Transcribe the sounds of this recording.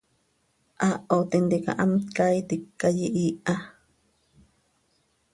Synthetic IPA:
ʔaʔot̪int̪ika̰ʔamt̪kait̪ikːajiʔiːʔʔa

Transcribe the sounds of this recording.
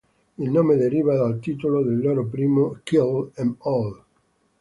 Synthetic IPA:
ilnomed̪eɾiβad̪alt̪it̪ulod̪elːoɾop̬ɾiːmokilɛmɔl

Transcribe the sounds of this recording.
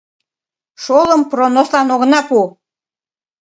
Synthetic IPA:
ʃoləmpronoslɑnoɣənɑpu

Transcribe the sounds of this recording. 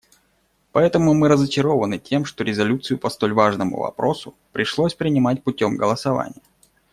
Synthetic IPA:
pɐɛt̪əmʊmɨɾəzət͡ɕɪɾo̞vənɨtʲe̞mʂt̪oɾʲɪzɐlʲut̪sɨjʊpɐst̪o̞lʲvaʐnəmʊ̰vɐ̰pɾo̞sʊ | pɾʲɪʂlˠo̞sʲpɾʲɪnʲɪmatʲpʊtʲo̞mɡəlˠəsɐva̰nʲɪjə

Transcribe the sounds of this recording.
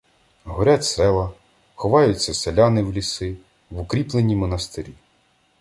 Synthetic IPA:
ɦɔɾʲatʲsɛlˠɐ | xɔʋɑjʊt͡sʲːɐselʲɑnɪwlʲisɪ | ʋʊkɾʲiplˠenʲimɔnɐst̪ɪɾʲi

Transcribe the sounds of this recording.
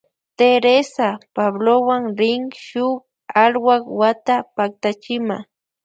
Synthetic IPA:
t̪eɾesapablowaŋɾɪŋʃʊk | alwakwat̪apak̚t̪at͡ʃɪma

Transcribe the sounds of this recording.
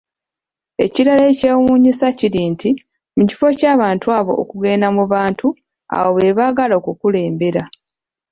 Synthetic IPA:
e̞̰ciɾaleːceːwuːɲisaciɾiːnti | muci̥fo̞caːβaːntuaːβo̞̰ʔo̰kuɡe̞ːnamuβaːntʰu | a̰woβe̞βaːɡalo̞ːkukule̞ːmbe̞ɾa

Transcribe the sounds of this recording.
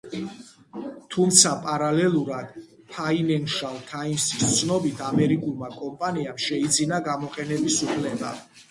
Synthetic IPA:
t̪ʰumt̪sʰapʼaɾalɛlˠuɾad̪̥ | pʰainɛnʃalˠt̪ʰainsist̪sʰnɔbit̪ʰamɛɾikʼulˠmakʼɔmpʼaniamʃɛid̪zinaɡamɔqʼɛnɛbisupʰlɛba̰

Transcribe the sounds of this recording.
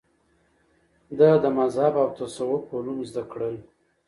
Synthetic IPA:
d̪əd̪əmazhabawt̪asawokolunzd̪akɽəl

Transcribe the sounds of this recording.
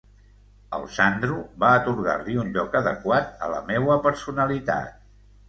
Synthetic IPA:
ə̰lˠsand̪ɾuβaət̪uɾɣa̰rliunʎɔkəðəkwat̪ə̰lə̰mewəpəɾsunəlit̪a̰t̪̚

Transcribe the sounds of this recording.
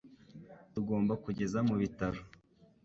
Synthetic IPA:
tuɡo̞ːmbakuɟe̞zamuβitaɾo

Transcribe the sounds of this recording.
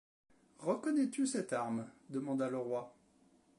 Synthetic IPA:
ʁəkɔnɛt̪ysɛt̪aʁmd̪əmɑ̃d̪aləʁwa

